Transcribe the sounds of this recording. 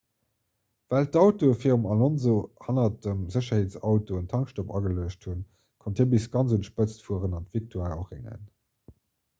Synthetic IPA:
væltɑʊtofiːʁumɑlonzohɑnɐdəmzəɕɐheːtt͡sɑʊtoəntʰɑŋkʃtopɑ̰ɡəluəɕthun | kʰontʰibisɡɑnt͡sunʃpət͡stfuəʁənɑntvik̚tʰwaːoχɛ̰ŋə̰n

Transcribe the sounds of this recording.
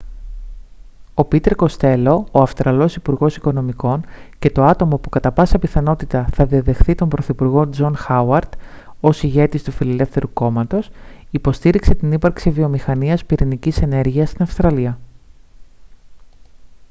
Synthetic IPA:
o̞pit̪e̞ɾko̞st̪e̞lo̞ːɐfst̪ɾɐlo̞sipuɾɣo̞siko̞no̞miko̞nce̞t̪o̞ɐt̪o̞mo̞pukɐt̪ɐpɐsɐpiθɐno̞t̪it̪ɐθɐðiɐðe̞xθit̪o̞mbɾo̞θipuɾɣo̞d͡zo̞nxɐwɐɾd̪̥ | o̞siʝe̞t̪ist̪ufile̞le̞fθe̞ɾuko̞mɐt̪o̞sipo̞st̪iɾikse̞t̪inipɐɾksivio̞mixɐniɐspiɾinicise̞ne̞ɾʝiɐst̪inɐfst̪ɾɐliɐ

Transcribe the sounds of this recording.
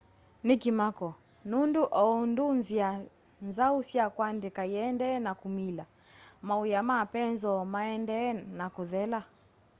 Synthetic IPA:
nikimakɔ | nunduʔɔundunzia | nzausiakwandɛkaiɛndɛnakumila | maujamapɛnzɔmaɛndɛnakuðɛla

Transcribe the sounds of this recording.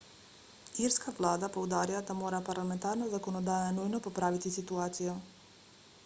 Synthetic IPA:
iɾskaʋlˠaːd̪apoud̪aːɾilad̪amoːɾapaɾlament̪aɾnazakonod̪aːjanujnopopɾaʋit̪isit̪uaːt̪siju

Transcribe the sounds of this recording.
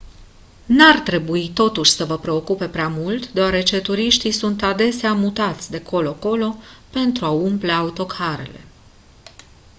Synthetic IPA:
nart̪ɾe̞buit̪o̞t̪uʃʲsəvəpɾe̞o̞kupe̞pɾeamult̪d̪eaɾe̞t͡ʃe̞t̪uɾiʃt̪isunt̪ad̪e̞seamut̪at̪sʲd̪e̞kʰo̞lo̞ako̞lo̞pe̞nt̪ɾuaumple̞aut̪o̞kʰaɾe̞̰le̞̰

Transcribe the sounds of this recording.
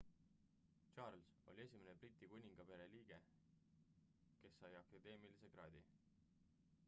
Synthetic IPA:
t͡ʃɑːrlso̞̰lʲie̞sʲimeneb̥rit̪ˑːikunʲiŋɡ̥ɑpe̞ɾe̞liːɡ̥e̞ | ke̞sːɑjɑkɑd̪̥e̞ːmilise̞ɡ̥ɾɑːd̪̥ʲi

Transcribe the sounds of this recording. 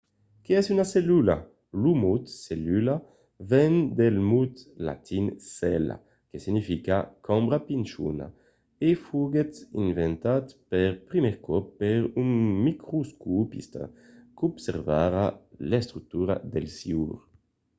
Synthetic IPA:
keɛsynaselyla̰ | lumut̪selyla | vɛnd̪elmut̪la̰t̪insɛla̰ | kesinifikakʰɔmbɾapint͡ʃṵna̰ | efuɡet̪invɛnt̪at̪pɛɾpɾimɛɾkɔpːɛɾynmikɾuskupḭst̪a̰ | kubsɛɾvaɾalest̪ɾuk̚t̪uɾa̰d̪elsiuɾ

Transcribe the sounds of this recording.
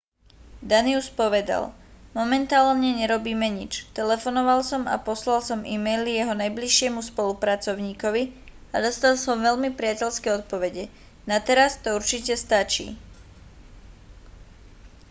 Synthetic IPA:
d̪aniuspɔʋɛd̪a̰l | mɔmɛnt̪aːlɲɛɲɛɾɔbiːmɛɲit͡ʃt̪ɛlɛfɔnɔʋalsɔma̰pɔslalsɔmʔimɛjlijɛɦɔnajbliʃɪɛmuspɔlupɾat͡sɔʊɲiːkɔʋi | ad̪ɔst̪alsɔmʋɛʎmipɾɪacɛʎskɛɔt̪̚pɔʋɛɟɛ | nat̪ɛɾast̪ɔuɾt͡ʃicɛst̪at͡ʃḭː

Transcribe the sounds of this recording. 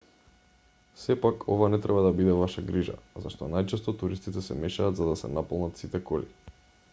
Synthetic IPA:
sɛpakʰɔvanɛt̪ɾʔɛbad̪abid̪ɛvaʃaɡɾiʒa̰za̰ʃt̪ɔnajt͡ʃɛst̪ɔt̪uɾist̪it̪ɛsɛmɛʃaːd̪zad̪asɛ̰napɔlˠnat̪sit̪ɛkɔli

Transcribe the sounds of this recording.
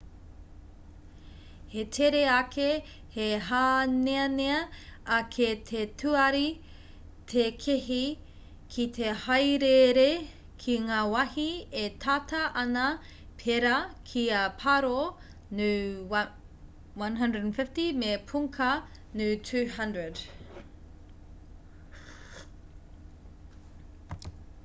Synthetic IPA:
het̪ʰeɾeɐkʰe | heɦaːneɐneɐɐkʰet̪ʰetʰuɐɾi | t̪ʰekʰeɦi | kʰit̪ʰehɐjɾeɾe | kʰiŋaːwɐhietʰatɐʔɐnɐ | pʰeɾɐkʰiɐpʰɐɾo | nʉ | wɐnɦɐ̃ndɹədnfɪftimepʰuŋkʰɐ | nʉtʰʉːhɐndɹəd

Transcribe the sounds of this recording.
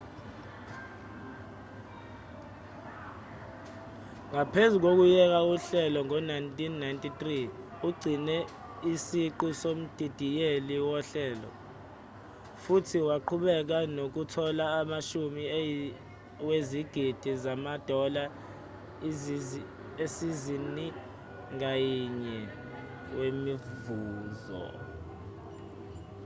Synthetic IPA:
ŋapʰezuk̬ok̬ujɛk̬auɬɛlɔŋɔnajntʼinːajntʼit̪ri | uɡ͡ǀʱinɛ | isiǃusom̩d̥ʱid̥ʱijeliwɔɬɛːlɔ̰ | futʰiwaǃʰuɓɛk̬anok̬utʰɔlaːmaʃumi | weziɡ̥ʱid̥ʱizamad̥ʱɔla | esizini | ŋajiɲɛ | wemivuːzɔ̰

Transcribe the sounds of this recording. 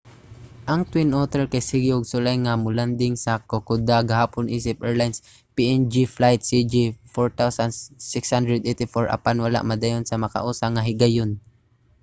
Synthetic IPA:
ʔɐŋt̪wɪnʔot̪ɛɹkajsɪɡɪʊɡsʊlajŋamʊland̪ɪŋsakokʊd̪aɡahaːpʊnʔiːsɪp̚ʔɛɹlajns | piʔɛnd͡ʒiflajt̪̚sid͡ʒifɔɹt̪awsansɪkshand̪ɹɛd̪ʔɛjt̪ɪfoɹʔɐ̰panwala̰ʔmɐd̪ajonsɐmɐka̰ʔuːsaŋaɦɪɡajon

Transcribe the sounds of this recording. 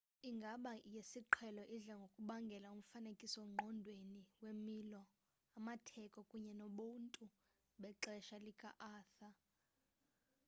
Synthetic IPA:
iŋɡʱaɓajesiǃʰɛlɔʔiɮaŋɡʱokʼuɓaŋɡʱɛlaum̩fanekʼisɔŋ͡ǃʱɔndʱweniwemilɔ | amatʰɛkʼɔkʼuɲɛnɔɓuntʼu | ɓɛǁɛʃalikʼa̰ʔaːθa

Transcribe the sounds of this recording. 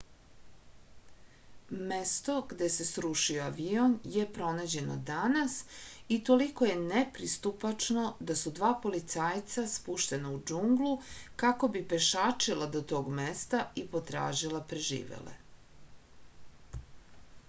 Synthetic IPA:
mest̪o̞ɡd̪e̞se̞sɾuʃioaʋionjepɾo̞nad͡ʑe̞no̰d̪anasit̪o̞liko̞je̞nepɾist̪upat͡ʂno̞d̪asud̪ʋaːpo̞lit̪saːjt̪saspuʃt̪e̞naud͡ʒuŋɡlukako̞bipe̞ʃaːt͡ʂilˠad̪ot̪o̞ːɡmest̪aipo̞t̪ɾa̰ːʒilapɾeʒḭːʋḛlḛ

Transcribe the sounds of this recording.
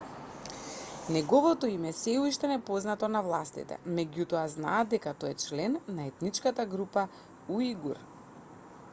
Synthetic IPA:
nɛɡɔvɔt̪ɔimɛsɛuʃt̪ɛnɛpɔznat̪ɔnavlˠast̪ḭt̪ɛ̰mɛɟut̪ɔazna̰ːd̪̚d̪ɛkat̪oɛt͡ʃlɛnːaɛt̪nit͡ʃkat̪aɡɾupa | uiɡuɾ

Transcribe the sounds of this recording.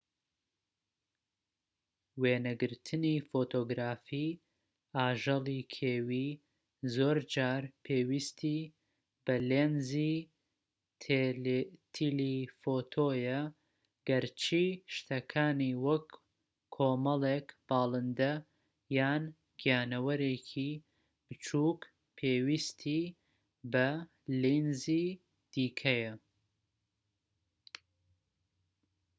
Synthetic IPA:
weːnɐɡɨɾt̪ʰɨniːfoːt̪ʰoːɡɾaːfiː | aːʒɐlˠikʰeːwiː | zoːɾd͡ʒaːɾpʰeːwist̪ʰiː | bɐleːnzi | t̪ʰilifoːt̪ʰoːjɐ | ɡ̥ɐɾt͡ʃʰiʃt̪ʰɐkʰaːniwɐkʰː | oːmɐlˠeːkb̥ɑːlˠɨnd̪ɐ | jaːn | ɡ̥ijaːnɐwɐɾeːcʰi | b̥ɨt͡ʃʰuːk | pʰeːwiːst̪ʰi | bɐ | linziː | d̪̥iːkʰɐjɐ

